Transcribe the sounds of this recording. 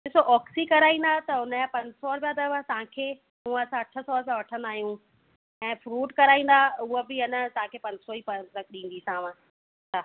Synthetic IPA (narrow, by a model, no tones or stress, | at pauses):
ɗɪsoʔɔːksikɐɾaːĩːn̆d̪at̪ɐɦʊnəapɐ̃ɲd͡ʑsɔːɾpjad̪əʋət̪ɐɦãkʰeː | mũːɐsãɐʈʰə̆sɔɾpãʋɐʈʰə̃nd̪aːɦijũ | ɛ̃ːfɾuːʈkɐɾaːĩːn̆d̪aʊɦobɪɪnət̪ɐɦãkʰeːpɐ̃ɲd͡ʑsɔiːpɐt̪ɐkɗĩːn̆d̪iːsãːʋã | aː